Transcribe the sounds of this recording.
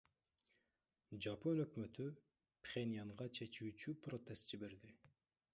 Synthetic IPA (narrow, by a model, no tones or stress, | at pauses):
d͡ʒapo̞nø̞kmø̞t̪y | pχʲenʲijaɴʁɑt͡ʃʰe̞t͡ʃyːt͡ʃyprot̪e̞st̪d͡ʒibe̞ɾd̪i